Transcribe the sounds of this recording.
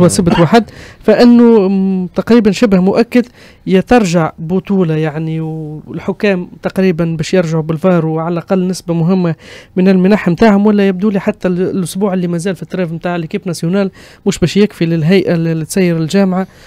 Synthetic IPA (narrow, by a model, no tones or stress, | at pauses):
wæsɪbt̪waːħad̪fæʔɪnːʊt̪ɑqɾiːbanʃɪbhmʊʔækːad̪ | jæt̪ɑɾˤʒaʕbʊt̪uːlajaʕniɪlħʊkːæːmt̪ɑqɾiːbanbæːʃjɪɾʒaʕubɪlfɑːɾˤuʕalʔaqɑlːnɪsbamʊɦɪmːamɪnɪlmɪnaːħmt̪aːʕhʊmwælːæjɪb̚d̪uliːħat̪ːælʔʊsbuːʕɪlːimæzæːlfit̪ːɾɑːvmt̪aːʕɪlkiːbnæsjʊnæːl | mʊːʃbɛːʃjɪkfilɪlɦæjʔallːit̪sæjːɪɾɪlʒæːmʕa